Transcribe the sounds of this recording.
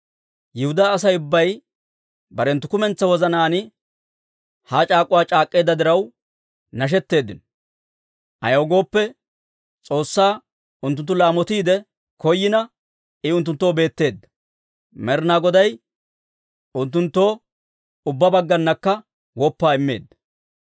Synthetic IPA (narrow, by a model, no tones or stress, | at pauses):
jɪhʊd̪aːs̬ɐjʊbːɐj | bɐɾɛnt̪ːʊkʊmɛnt͡sːɐwɔzɐnaːnɪ | haːt͡ʃʼaːkʼʊwaːt͡ʃʼaːkʼːe̞ːd̪ːɐd̪ɪɾɐw | nɐʃ̬ɛt̪ːe̞ːd̪ːɪnɔ | ʔɐ̰joːɡo̞ːpːɛ | t͡sʼo̞ːsːaː | ʊnt̪̬ːʊnt̪ːʊlaːmɔt̪iːd̪ɛ | kɔjːɪnɐ | ɪʊnt̪̬ːʊnt̪ːoːbe̞ːt̪ːe̞ːd̪ːɐ̥ | mɛɾnaːɡɔd̪ɐj | ʊnt̪ːʊnt̪ːo̞ː | ʊbːɐbɐɡːɐnːɐkːɐ | wɔpːaːɪmːe̞̰ːd̪ːɐ̥